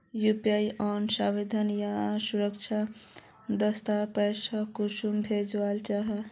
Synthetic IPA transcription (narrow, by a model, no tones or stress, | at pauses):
jupiajɔnsãwed̪ʱʌnjasuɾʌkt͡ʃʰa | d̪ʌst̪apesʰʌkusumbʱed͡zwalt͡ʃaɦʌ